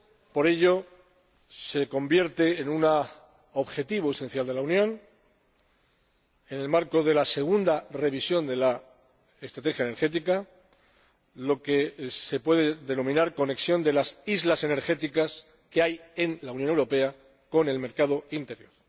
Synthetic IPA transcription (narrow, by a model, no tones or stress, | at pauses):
po̞ɾe̞ʎo̞ | se̞ko̞mbje̞ɾt̪eːnuna | oβxe̞t̪iβ̞oese̞n̟θjald̪e̞launjõ̞n | e̞ne̞lmaɾko̞ðe̞lase̞ɣ̞und̪are̞βisjo̞nd̪e̞la | e̞st̪ɾat̪e̞xjaene̞ɾxe̞t̪̬ika | lo̞ke̞se̞pwe̞ðe̞ðe̞no̞mĩnaɾko̞ne̞ksjo̞nd̪e̞lasizlase̞ne̞ɾxe̞t̪ikas | keaje̞nlaunjne̞wɾo̞pe̞a | ko̞ne̞lme̞ɾkað̞o̞int̪e̞ɾjo̞̰ɾ